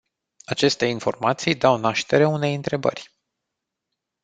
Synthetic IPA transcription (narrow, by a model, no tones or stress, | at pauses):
at͡ʃe̞st̪e̞info̞̰rmat̪sijd̪awnaʃt̪e̞ɾeune̞jɨnt̪ɾe̞bə̰rʲ